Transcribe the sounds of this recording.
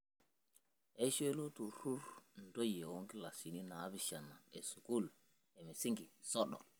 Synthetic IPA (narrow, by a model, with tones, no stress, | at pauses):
ʔɛ˦ʃe˦lo˦tu˨ɾu˦ɾndo˦jɛ˨wo˦ŋki˦la˨si˨ni˦na˨˦biʃa˨nːa˨ɛ˨su˨ku˦l | ɛ˨mɛ˨si˦ŋɡi˨sɔ˦ɗɔ̰˨